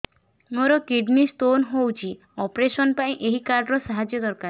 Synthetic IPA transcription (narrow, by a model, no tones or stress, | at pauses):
moɾɔkiɖnist̪onɦowt͡ʃʰi | ɔpɾesɔnpaĩʔeɦikaɾɖɾɔsaɦad͡ʒjɔd̪ɔɾkaɾ